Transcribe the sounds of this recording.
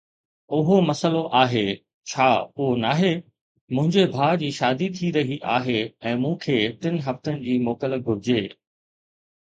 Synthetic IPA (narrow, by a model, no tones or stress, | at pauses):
ʊɦomɐsəloʔaːɦeː | t͡ɕʰaːoːnaːɦe | mʊ̃ɦɪ̃ɲd͡ʑebʱaːd͡ʑiːʃaːd̪it̪ʰiɾɐɦiʔaːɦeɛ̃ːmũːkʰeːʈɪnɦɐft̪ənɪ̆d͡ʑiːmoːkələɡʱʊɾɪd͡ʑeː